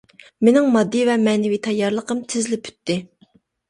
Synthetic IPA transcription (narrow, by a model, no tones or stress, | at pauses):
menɪŋmɑd̪ːɨvɛmɛnɪvit̪ʰɑjːɑɾlˠəqəmt̪ʰɪzlɪpʰy̥t̪ːɪ